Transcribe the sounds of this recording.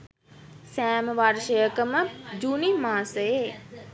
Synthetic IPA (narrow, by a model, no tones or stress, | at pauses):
sɛːməʋaɾʃəjəkəməd͡ʒuːnimaːsəe